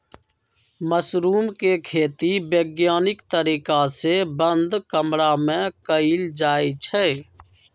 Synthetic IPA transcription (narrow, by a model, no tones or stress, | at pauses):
məsɾuːmkekʰeːt̪ibeːɡjaːnɪkt̪əɾiːkasebənd̪kəmɾamẽkəild͡ʒaːit͡ʃʰɛː